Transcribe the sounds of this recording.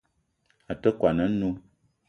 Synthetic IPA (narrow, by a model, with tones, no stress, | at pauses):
a˨tə˦kwa˨nə˨˦nu˦